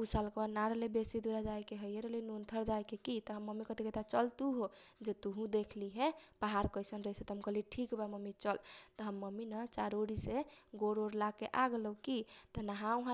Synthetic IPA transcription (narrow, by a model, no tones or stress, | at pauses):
usalkbanaɾelebesid̪uɾad͡ʒajkeɦəjeɾelenunt̪ʰəɾd͡ʒajkekit̪ɔɦəmːəmikət̪iket̪at͡ʃəlt̪uɦod͡ʒet̪uɦũd̪ekʰliɦɛpaɦaɾkəjsənɾəɦiset̪ɔɦəmkəliʈʰikbaməmit͡ʃəlt̪ɔɦəmːəminət͡ʃaɾoɾiseɡoɾoɾlakeʔaɡləkit̪ənaɦãuɦã